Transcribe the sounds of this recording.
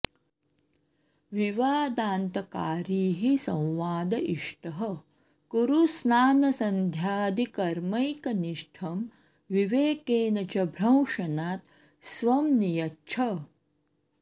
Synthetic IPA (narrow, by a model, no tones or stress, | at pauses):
ʋiʋaːd̪aːnt̪ɐkaːɾiːɦisɐ̃w̃ʋaːd̪ɐʔiʂʈɐɦɐ | kuɾusnaːnɐsɐnd̪ʱjaːd̪ikɐɾmɐjkɐniʂʈʰɐm | ʋiʋeːkeːnɐt͡ʃɐbʱɾɐ̃w̃ʂɐnaːt̪̚ | sʋɐmnijɐtːt͡ʃʰɐ